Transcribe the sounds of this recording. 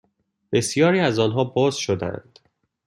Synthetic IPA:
b̥e̞sijɒːɾiːæzɒːnɦɒːbɒːz̥ʃod̪æ̰nd̪̥

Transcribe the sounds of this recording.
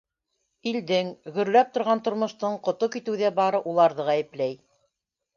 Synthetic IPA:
ild̪ɘŋɡɵ̆ɾlæp̚t̪ŏɾʁɑnt̪ŏɾmŏʃt̪ɤɴqŏt̪okit̪ɘ̆wðæbɑɾɤʔulˠɑɾðɤʁæjɘ̆plæj

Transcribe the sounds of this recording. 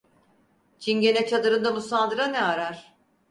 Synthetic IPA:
t͡ʃʰinɟe̞nɛt͡ʃʰad̪ɯɾɯnd̪abusand̪ɯɾanɛaɾaɾ̥

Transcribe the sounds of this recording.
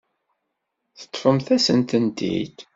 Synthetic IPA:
θə̥t̪ˤːfəmθæsənt̪ənt̪ḭt̪

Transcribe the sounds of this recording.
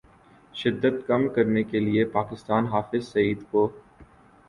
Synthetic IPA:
ʃɪd̪ːət̪kɐmkɐɾnekeliepaːkɪst̪aːnɦaːfɪzsɐiːd̪koː

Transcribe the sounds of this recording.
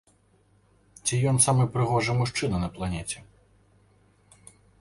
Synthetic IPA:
t͡sʲijɔnsamɨjpɾɨɣɔʐɐjmuʂt͡ʂɨnɐnɐplˠanʲɛt͡sʲɛ

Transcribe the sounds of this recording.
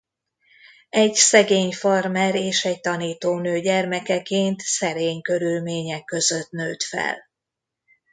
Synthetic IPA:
ɛɟsɛɡeːɲfɒrmɛɾeːʃɛɟt̪ɒniːt̪oːnøːɟɛrmɛkɛkeːnt̪sɛɾeːɲkø̞ɾylmeːɲɛkːø̞zøt̪nøːt̪fɛ̰l

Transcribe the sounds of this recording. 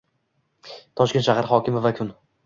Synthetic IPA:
t̪ʰɒʃkʲeʃahaɾhɒkʲɪmɪvakʲʰʊn

